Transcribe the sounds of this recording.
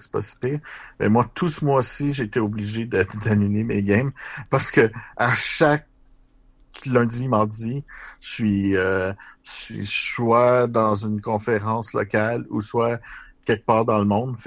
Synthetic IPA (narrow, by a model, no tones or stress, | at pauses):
spɔ̰si̥pɪmɛ̰mwat̪ʰusmwasiʒeːt̪eubliʒed̪əd̪anylemeɡʲɛ̃mpaʁsə̥kəaʃak | lœ̃dd͡z̪imɑʁd̪iʃɥiøʃɥḭswad̪ɑ̃zynkɔ̃feʁɑ̃ːslɔ̰kʲalṵswakʲɛlk̚əpaːʁd̪ɑ̃ləmɔ̃d̪f